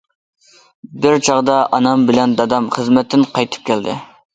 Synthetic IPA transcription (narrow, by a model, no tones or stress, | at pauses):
bɪɾt͡ʃʰɑʁd̪ɑʔɑnɑmbɪlɛnd̪ɑd̪ɑmχəzmɛt̪ʰːɪnqʰɑjt̪ʰɨ̥p̚kʲʰɛld̪ɪ̰